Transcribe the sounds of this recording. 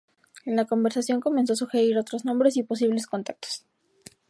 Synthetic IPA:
enlako̞mbe̞ɾsasjo̞ŋko̞mens̬o̞as̬uxe̞ɾiɾo̞t̪ɾoznombɾe̞s̬ipo̞s̬iβle̞sko̞nt̪ak̚t̪o̥s

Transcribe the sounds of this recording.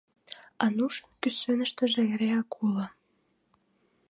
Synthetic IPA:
ɑnuʃkysønə̆ʃt̪ə̆ʒĕeɾeɑkʰulɑ

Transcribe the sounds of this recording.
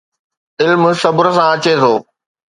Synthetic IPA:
ɪlmsɐbʊɾəsãɐt͡ɕet̪ʰoː

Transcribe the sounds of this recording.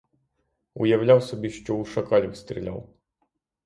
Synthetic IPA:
ʊ̰jɐwlʲawsɔbʲiʃt͡ʃɔuʃɐkɑlʲiwst̪ɾʲilʲa̰w

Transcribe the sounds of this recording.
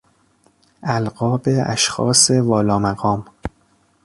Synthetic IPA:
ʔælɢɒːbeæ̰ʃxɒ̰ːse̞vɒːlɒːmæɡɒːm

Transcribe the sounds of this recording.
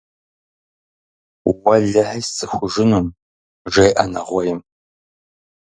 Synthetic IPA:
wɐɮɐħɐjsɨxʷʊʒɨnum | ʒejʔɐnɐʁʷɔjɪm

